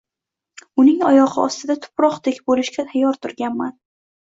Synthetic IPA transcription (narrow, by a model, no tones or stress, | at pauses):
ʊnɪŋɒjɒʁɨɒ̰st̪ɪd̪at̪ʰʊ̥pɾɒqd̪ekʲbolɪʃɡʲat̪ʰajːɒɾt̪ʰʊɾɡʲanman